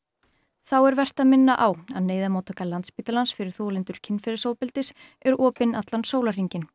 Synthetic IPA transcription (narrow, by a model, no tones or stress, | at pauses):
θawɛɾvɛr̥t̪aðmɪnːaʔawaðneːjðamoːt̪ʰɔkalant̪spiːt̪alansfɪɾɪɾ̥θoːlɪnt̪ʏɾ̥cʰɪnfɛɾɪsoːwpɪlt̪ɪs | ɛɾɔːpɪnat̪lansoːwlar̥iɲcɪn